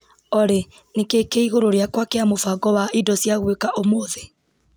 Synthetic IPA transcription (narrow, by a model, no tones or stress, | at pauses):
ɔɾe | nekekeiɣoɾoɾeakwakeamofaɡɔβaʔidɔsjaɣwekaʔomoðe